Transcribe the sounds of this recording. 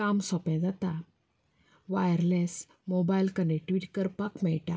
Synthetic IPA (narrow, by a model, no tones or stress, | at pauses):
kamsɔpjãd͡zat̪a | ʋajəɾles | mobailkəneʈʋiːʈkəɾpakmɛɭʈa